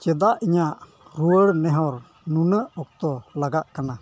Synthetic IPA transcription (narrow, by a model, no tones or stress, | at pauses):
t͡ʃɛd̪aʔiɲaʔ | ɾuəɾnɛɦɔɾ | nunəʔɔk̚t̪ɔlaɡaʔkana